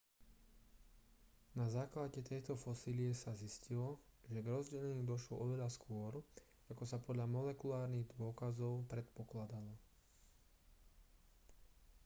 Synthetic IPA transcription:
nazaːklaɟɛt̪ɛjt̪ɔfɔsiliɛsaziscilɔʒɛɡɾɔzɟɛlɛɲud̪ɔʃlɔʔɔʋɛʎaskʊɔɾ | akɔsapɔd̪ʎamɔlɛkulaːɾniɣd̪ʊɔkazɔʊpɾɛt̪pɔklad̪alɔ

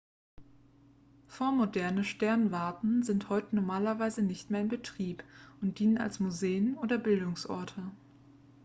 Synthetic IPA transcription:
foːɐmodɛɐnəʃtɛɐnvaɐtn̩zɪnthɔʏtənɔɐmaːlɐvaɪzənɪçtmeːɐɪnbətʁ̥iːpʊnt̚d̥iːnəna̰lsmuzeːənʔoːdɐbɪldʊŋsʔɔ̰ɐtʰə

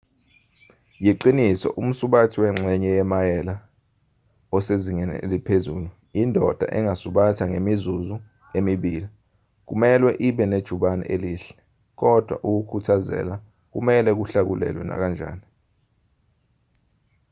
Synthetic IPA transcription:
jiǃinisɔ̰ʔum̩suɓatʰiwɛŋ͡ǁʱɛɲɛjɛmajɛla | ɔseziŋɛnɛ̰elipʰezuːlu | indʱɔd̥ʱa̰ʔɛŋasuɓatʰaŋemizuzu | emiɓiːli | k̬umɛlwɛʔiɓɛned̥ʒ̥ʱuɓanɛ̰ʔeliːɬɛ̥ | k̬ɔd̥ʱwa̰ʔuk̬ukʰutʰazɛ̰la | k̬ṵmɛlɛk̬uɬak̬ulɛ̰lwɛ̰na̰k̬and͡ʒʱa̰ːni

